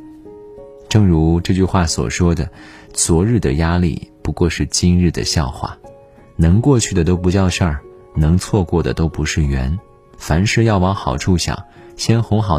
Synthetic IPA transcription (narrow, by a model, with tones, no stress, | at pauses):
ʈ͡ʂɤ˥˩ŋɻu˧˥ʈ͡ʂɤ˥˧t͡ɕy˥˧xwa˥˩swɔ̰˨˩ʂwɔ˥d̪ə˨t͡swɔ˧˥ɻɻ̩˥˩d̪ə˩ja˥lḭ˥˩pu˧˥kwɔ˥˧ʂɻ̩˥˩t͡ɕi˥nɻɻ̩˥˩d̪ə̰˨˩ɕjɑ˥˧ʊxwa̰˥˩ | nɤ˧˥ŋkwɔ˥˧t͡ɕʰy˥˩d̪ə˩t̪̬o˥ʊp̬u˧˥t͡ɕjɑ˥˧ʊʂa˥˩ | nɤ˧˥ŋt͡sʰwɔ˥˧kwɔ˥˩d̪ə̰˩t̪o˥ʊpu˧˥ʂɻ̩˥˩ɥɛ˧˥n | fa˧˥nʂɻ̩˥˧jɑ˥˩ʊwɑ˧˥ŋxɑ˨˩ʊʈ͡ʂʰu˥˩ɕjɑ̰˨˩˦ŋ | ɕjɛ˥nxʊ˧˥ŋxɑ˨˩